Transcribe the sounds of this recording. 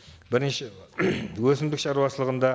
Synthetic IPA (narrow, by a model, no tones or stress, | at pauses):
bɪɾʃe | wɵsɪmd̪ɪkʃɑɾuɑʃəlˠəʁənd̪ɑ